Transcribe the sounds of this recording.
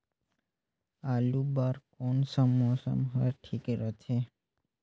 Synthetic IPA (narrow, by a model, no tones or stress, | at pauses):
alubaɾkonsəmosə̰mɦəɾʈʰikɾət͡ʃʰe